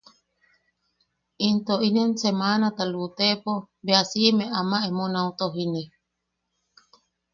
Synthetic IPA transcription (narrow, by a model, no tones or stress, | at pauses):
int̪oinensemanat̪alut̪epo | beasimeʔamaemonaut̪oɦini